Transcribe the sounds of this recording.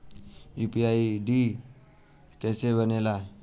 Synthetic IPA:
jupiaiɖi | t̪ɛsebənela

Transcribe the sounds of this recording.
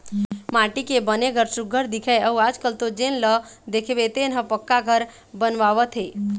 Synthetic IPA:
maːʈikebəneɡʱəɾsuɡʱəɾd̪ikʰɛəuaːd͡ʒkəlt̪od͡ʒenləd̪ekʰeʋet̪enɦəpəkːaɡʱəɾ | bənʋaːʋət̪ɦe

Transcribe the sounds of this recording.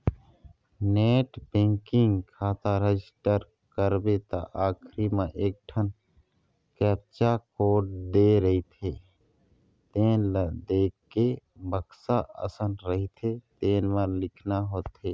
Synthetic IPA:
neːʈbẽŋkɪ̃ŋɡkʰaːt̪aɾed͡ʒɪsʈəɾ | kəɾbet̪a̰ʔaːkʰɾimãʔeːk̚ʈʰən | kɛːp̚t͡ʃakoːʈ̚d̪eɾəɦit̪ʰe | t̪eːnləd̪eːkːebəksaə̰sənɾəɦit̪ʰet̪ẽːnməlɪkʰnaɦoːt̪eː

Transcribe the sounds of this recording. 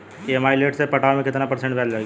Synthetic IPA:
iɛmaːileːʈsepɐʈaːmẽkɪt̪napɐɾsẽɳʈbʱɛːlla

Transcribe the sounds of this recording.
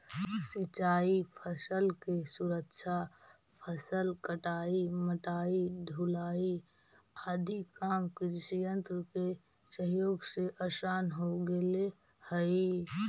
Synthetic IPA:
sit͡ʃaːipʰəsəlkesuɾəkʃʰa | pʰəsəlkəʈaːiməʈaːiɖʱulaːi | aːd̪ʱikaːmkiɾsijənt̪ɾəke | səɦjoːɡseʔəsaːnɦoɡele | həi

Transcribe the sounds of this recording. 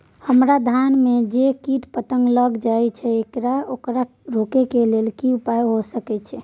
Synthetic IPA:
həmɾad̪ʱanmed͡ʒekiʈpət̪əŋɡləɡd͡ʒaɛt͡ʃʰɛekɾaokɾa | ɾokekelelkiupajɦosəkɛt͡ʃʰɛ

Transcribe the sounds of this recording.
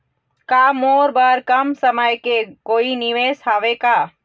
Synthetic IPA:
kaːmoːɾbaːɾkɐmsəməjkekoːinɪʋeːsɦaːʋekaː

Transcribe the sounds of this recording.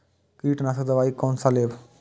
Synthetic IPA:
kiːʈnas̬əd̪ɐʋaːikoːnsaleːʋ

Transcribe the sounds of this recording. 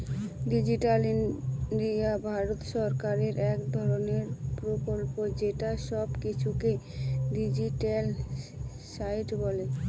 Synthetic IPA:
ɖid͡ʑiʈalinɖiabʱaɾot̪ʃɔɾkaɾeɾɛkd̪ʱɔɾoneɾpɾokolpod͡ʑeʈaʃɔbkit͡ɕʰukeɖid͡ʑiʈel | sajʈbɔle

